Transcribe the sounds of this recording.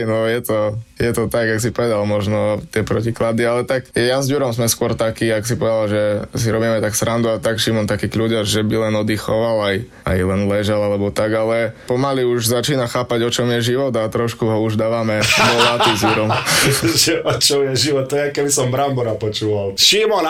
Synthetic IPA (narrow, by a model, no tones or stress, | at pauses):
nɔjɛt̪ɔjɛt̪ɔt̪aɡaks̬ipɔʋɛd̪almɔʒnɔt̪ɪɛpɾɔciklad̪ialɛt̪akjɛjazɟuɾɔmzmɛskʊɔɾt̪akiːaks̬ipɔʋɛd̪alʒɛs̬iɾɔbiːmɛt̪aksɾand̪uat̪akʃimɔnt̪akiːkluɟaʒɛbilɛnɔd̪ixɔʋalaj | a̰jlɛnlɛʒalalɛbɔt̪aɡalɛpɔmaliuʒzat͡ʃiːnaxaːpaɟɔt͡ʃɔmjɛʒiʋɔd̪at̪ɾɔʃkuɦɔuʒd̪aːʋamɛd̪ɔlat̪izjuɾɔmʒɛʔɔt͡ʃɔmjɛʒiʋɔt̪̚t̪ːɔjɛakɛbisɔmbɾambɔɾapɔt͡ʃuːʋalʃimɔn